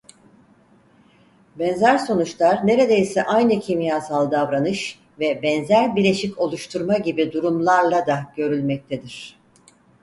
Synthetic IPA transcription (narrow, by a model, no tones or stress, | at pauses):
bɛnzæɾso̞nut͡ʃlˠaɾne̞ɾe̞d̪e̞jsɛʔajnɯcʰimijaːsalˠd̪avɾanɯʃ | vɛbɛnzæɾbiɾlʲe̞ʃico̞lˠuʃt̪ʰuɾmaɟibid̪uɾumlˠaɾlˠad̪aɟ̥ø̞ɾylʲmɛc̚t̪ʰed̪iɾ̝̥